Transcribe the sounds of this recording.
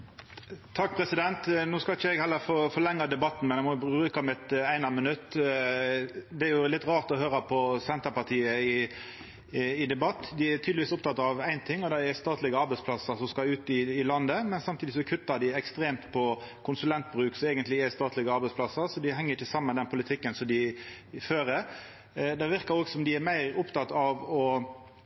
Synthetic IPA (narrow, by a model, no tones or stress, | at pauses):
t̪ʰɑk̚ːpʰɾɛsɪd̪ɛnt̪nuːskɑɪçəɛɡhɛlːəɾfɔfɔlɛŋːɑd̪ɛbɑt̪ːn̩mɛnæmɔbbʁʉːkɑmɪt̪æɪnɑmənʉt̪ː | d̪ɛæɾjʊlɪt̪ːɾɑːʁt̪ɔɦøːɾəpʰɔsɛnt̪əɾpɑt̪ʰiːəɪ | ɪd̪ɛbɑt̪ːd̪ɪæt̪ʰyd̪ɪʋiːsʊp̚t̪ɑt̪ːɑʋæɪnt̪ʰɪŋːɔd̪ɛɛst̪ɑːt̪lɪɡəɑɾbæɪspʰlɑsːəɾsɔmskɑʉːt̪ɪːlɑnd̪əmɛnsɑmt̪ʰiːd̪ɪsɔkʰʉt̪ːɑd̪ɪɛkst̪ɾeːmt̪pʰɔ | kʰʊnsʉlɛnt̪̚bʁʉːksɔɛːɡənt̪lɪɛst̪ɑːt̪lɪɡəɑɾbæɪspʰlɑsːəɾsɔd̪ɪɦɛŋːəɾɪçːəsɑmːənd̪ɛnpʰʊlɪt̪ʰɪkːənsɔmd̪ɪ | føːɾə | d̪ɛʋɪɾkɑɾoːɡsɔmd̪ɪæɾmæɪɾʊpt̪ʰɑt̪ɑʋɔ